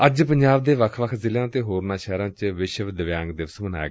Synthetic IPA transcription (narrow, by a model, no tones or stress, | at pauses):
əd͡ʒpəɲd͡ʒaːbd̪eːʋəkʰʋəkʰzɪljãːt̪eːɦoːɾnãːʃɛːɾãːt͡ʃʋɪʃʋd̪əʋjãːŋɡd̪ɪʋəsməna̰ɛ̰ɡː